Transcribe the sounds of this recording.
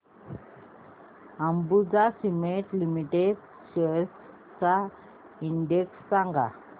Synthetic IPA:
əmbud͡zasimeʈlimiʈeɖ | ɕə | t͡sa | iɳɖeksːãŋɡa̰

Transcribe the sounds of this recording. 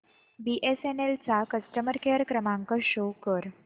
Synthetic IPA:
biʔesenelt͡sakəsʈəməɾkeɾkɾəmãŋkəɕokəɾ

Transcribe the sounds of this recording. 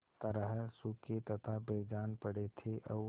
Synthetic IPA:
t̪əɾəɦsʊkːet̪ɐt̪ʰabeːd͡ʒaːnpəɽet̪ʰeʔɔʋ

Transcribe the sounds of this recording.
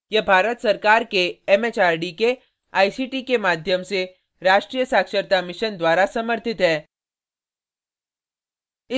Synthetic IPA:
jɐbʱaːɾət̪sɐɾkaːɾkeɛmeːt͡ʃaːɾɖike | aːisiːʈikemaːd̪ʱjəmse | ɾaːʃʈɾijəsaːkʃəɾt̪amɪʃənd̪waːɾasɐməɾt̪ɪt̪ɦɛː | ɪ

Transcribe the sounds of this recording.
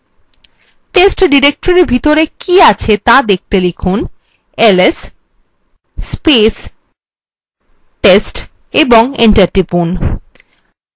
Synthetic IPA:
ʈesʈɖiɾek̚ʈoɾeɾbʱit̪oɾekiat͡ɕʰet̪ad̪ek̚t̪elikʰun | eles | pes | ʈesʈ | eboŋeɳʈaɾʈɾipun

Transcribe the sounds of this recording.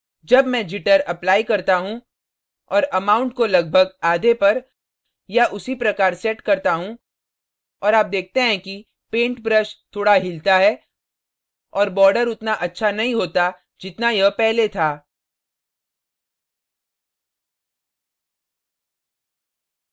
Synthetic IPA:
d͡ʒɐbmɛ̃d͡ʒɪʈəɾɐplaːikɐɾt̪aɦũ | ɔːɾɐmaːʊ̃ɳʈkolɐɡ̚bʱəɡaːd̪epɐɾ | jaʔʊsipɾɐkaːɾsɛːʈkɐɾt̪aɦũ | ɔːɾaːp̚d̪eːk̚ʰt̪eɦɛ̃ki | pẽːɳʈbɾəʃt̪ʰoːɽaɦɪlt̪aɦɛ | ɔːɾbɔːɾɖəɾʊt̪naʔɐtːʃʰanɐɦĩɦoːt̪a | d͡ʒɪt̪najɐpɛɦlet̪ʰaː

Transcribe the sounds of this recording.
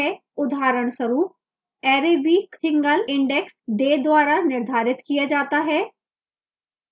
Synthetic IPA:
ɛ | ʊd̪ʱaːɾəɳsəɾuːp̚ | ɛːɾeːbiːksɪ̃ŋɡəlɪ̃ɳɖɛksɖeːd̪waːɾanɪɾd̪ʱaːɾɪt̪kijad͡ʒaːt̪aɦɛː

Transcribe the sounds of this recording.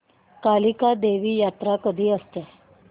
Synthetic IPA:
kalikad̪eʋiːjat̪ɾakəd̪ʱiːəst̪e

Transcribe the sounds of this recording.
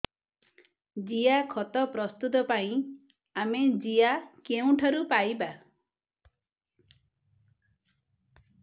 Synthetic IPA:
d͡ʒijakʰɔt̪ɔpɾɔst̪ut̪ɔpaĩ | amed͡ʒijakeũʈʰaɾupajba

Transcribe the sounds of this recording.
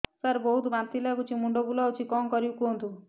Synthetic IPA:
saɾbɔɦut̪bant̪ilaɡut͡ʃʰimuɳɖobulawt͡ʃʰikɔmkɔɾiukuɦont̪u

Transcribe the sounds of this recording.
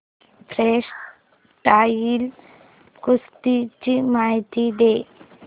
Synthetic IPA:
pʰɾeʂ | ʈaːjil | kust̪it͡ʃimaːɦt̪id̪eː

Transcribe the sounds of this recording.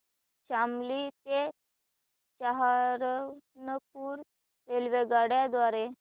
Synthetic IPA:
ɕamlit̪e | t͡ɕaɦaɾnəp̚uːɾ | ʋelʋeɡaɽjad̪ʋaɾe

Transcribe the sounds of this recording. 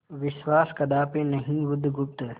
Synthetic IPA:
ʋɪʃwaːskɐd̪aːpẽnɐɦĩbʊd̪ʱɡʊp̚t̪

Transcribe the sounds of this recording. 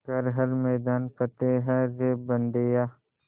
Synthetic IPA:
kɐɾɦɐɾmeːd̪aːnkɐt̪eɦɐ̃ɾeːbɐnd̪ejaː

